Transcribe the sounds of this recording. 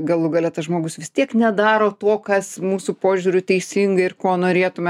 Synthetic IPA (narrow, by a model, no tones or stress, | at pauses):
ɡɐlˠʊɡɐlʲɛt̪ɐsʒmoːɡʊsʋʲɪst̪ʲiɛknʲɛd̪ɑːɾoːt̪oːkɐsmuːsʊpoːʒʲuːɾʲʊt̪ʲɛɪsʲiŋɡɐɪrkoːnoːɾʲeːt̪ʊmʲɛ